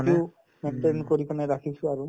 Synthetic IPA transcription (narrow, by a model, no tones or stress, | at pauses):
u | menʈenkoɹikanɛɾakʰisʰũaɾu